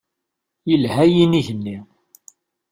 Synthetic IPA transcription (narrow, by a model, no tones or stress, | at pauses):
jəlhæjiniʝənːi